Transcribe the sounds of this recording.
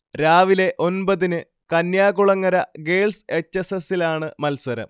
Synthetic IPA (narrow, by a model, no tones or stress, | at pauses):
ɾaːʋile̞ʔo̞nbɐðinɨ | kɐnjaːɣuɭɐŋːɐɾɐɡe̞ːlse̞t͡ɕːesesilaːɳɨmɐlswɐɾɐ̰m